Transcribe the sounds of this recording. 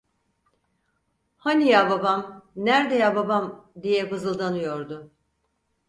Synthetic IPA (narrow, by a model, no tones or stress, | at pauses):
hanijababamnæɾd̪ejababamd̪ijɛbɯzɯlˠd̪anɯjo̞ɾd̪ʊ